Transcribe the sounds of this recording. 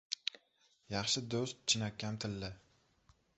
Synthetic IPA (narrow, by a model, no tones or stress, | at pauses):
jaχɕəd̪ost͡ɕʰinakamt̪ʰəlːə